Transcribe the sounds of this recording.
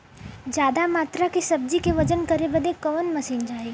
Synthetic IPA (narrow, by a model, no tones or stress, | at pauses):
d͡ʒjaːd̪amaːt̪ɾakisɐb̚d͡ʒikeʋɐd͡ʒənkɐɾebəd̪ẽkɐʋənmɐsiːnd͡ʒaːeː